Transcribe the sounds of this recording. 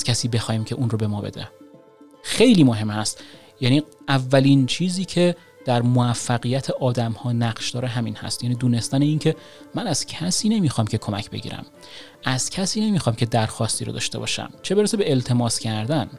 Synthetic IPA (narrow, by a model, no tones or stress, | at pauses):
z̥cʰʲæsiːbe̞xɒːjiːmcʰe̞ʔunrobe̞mɒːbe̞̰d̪ḛ | xejliːmoɦe̞mhæst̪ | jæniːʔævːæliːnt͡ʃʰiːziːcʰe̞ | d̪̥æɾmoæfːæɣijæt̪ʰeʔɒːd̪æmhɒːnæɢʃd̪ɒːɾeɦæmiːnhæ̰st̪jæːniːd̪uːne̞st̪æneiːncʰe̞ | mænæz̥cʲʰæsiːne̞miːxɒːmcʰe̞kʰo̞mæcʰbe̞̰ɟḭːɾæ̰m | æz̥cʲʰæsiːne̞miːxɒːmcʰe̞d̪æɾxɒːst̪iːɾo̰d̪ɒ̰ːʃt̪e̞bɒ̰ːʃæ̰mt͡ʃʰe̞be̞ɾesebe̞elt̪ʰe̞mɒːscʰæɾd̪æn